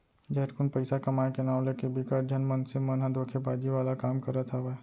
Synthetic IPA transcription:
d͡ʒɛːʈkʊnpəɪsakɐmaːekenaːʊ̃lekebikəʈ̚d͡ʒənmənsemənɦãd̪oːkʰebaːd͡ʒiʋaːlakaːmkəɾət̪ʰaʋɛ

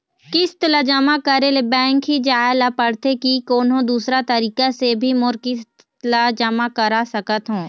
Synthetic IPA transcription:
kɪst̪lad͡ʒamakəɾelebɛ̃ːŋkɦid͡ʒaːɪlapəɽt̪ekikoːnõd̪uːsɾat̪ɐɾiːkasebʱimʊɾkɪst̪ | lad͡ʒamakəɾasɐkət̪ɦũː

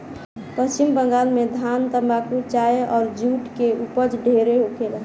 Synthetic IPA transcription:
pəst͡ʃimbə̃ŋɡaːlmed̪ʱant̪əmbakut͡ʃaeʔɔːɾd͡ʒuːʈkeupəd͡ʒɖʱeɾeɦokelə

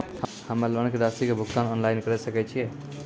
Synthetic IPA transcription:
həmalənked̪ast̪ikebʱuɡt̪anɔnlajinkəɾɛsəkɛt͡ʃʰiɛ

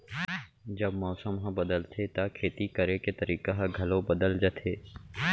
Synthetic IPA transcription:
d͡ʒɐbmɔːsəmɦɐ̃bɐd̪əlt̪ʰet̪akʰeːt̪ikəɾeket̪ɐɾiːkaɦɐ̃ɡʱɐlõbɐd̪əld͡ʒət̪ʰeː

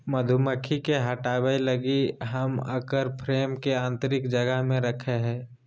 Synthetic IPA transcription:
məd̪ʱuməkʰːikeɦəʈaːwəiləɡiɦɐmə̰kəɾpʰɾeːmkeãːnt̪əɾɪkd͡ʒəɡəɦmẽɾəkʰeɦɛ̃ː

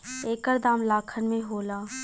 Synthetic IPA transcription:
eːkəɾd̪aːmlaːkʰənmẽɦoːlaː

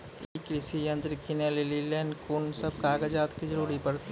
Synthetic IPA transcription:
kɾɪsijɐ̃nt̪ɾɪkinelelileːnkuːnsɐb̚kaːɡəd͡ʒaːt̪kid͡ʒəɾuːɾipɐɾ

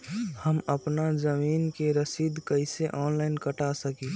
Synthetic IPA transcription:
həməpnazəmiːnkeɾəsid̪ʱkəɪseʔɔːnlaɪnkəʈasəki

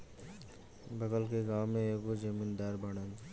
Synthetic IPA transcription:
bɐɡəlkeɡãːwmːẽekod͡ʒəmind̪aːɾbaɽən

